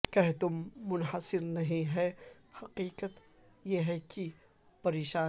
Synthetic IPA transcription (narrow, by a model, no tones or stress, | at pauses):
kɐɦt̪ʊmːʊnɦəsɪɾnɐɦĩɦɛ | hɐqiːqət̪ | jeɦɛki | pɐɾeːʃaː